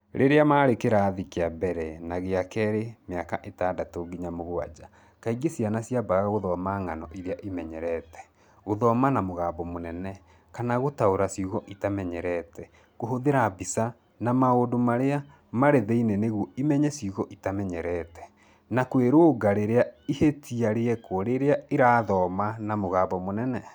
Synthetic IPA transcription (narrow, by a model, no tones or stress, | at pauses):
ɾʔḛɾeamaːɾekeɾaːðikeabɛɾɛnaɣeakɛːɾemeakaʔetaːdatoɡiɲamoɣoa̰d͡ʒa | kaiɡesianasiabaɣɣaɣoðɔmaŋanɔʔiɾeaʔimɛɲɛɾɛtɛ̥ | ɣoðɔmanamoɣaːbɔmonɛnɛ | kanaɣotaoɾasiuɣɔʔitamɛɲɛɾɛtɛ | ɣoɦoðeɾabisa | namaodomaɾea | maɾeðeineneɣwɔimɛɲɛsiuɣɔʔitamɛɲɛɾɛtɛ̥ | nakweɾoːɡaɾeɾeaihetʰiaɾeɛkoɾeɾeaeɾaːðɔːmanamoɣaːbɔmonɛnɛ